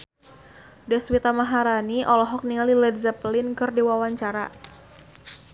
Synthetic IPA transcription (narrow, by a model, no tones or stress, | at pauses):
dɛswit̪amaɦaɾaniʔɔlɔɦɔk̚niŋalilɛdzapəlɪnkɨrdiwawaɲt͡ʃaɾa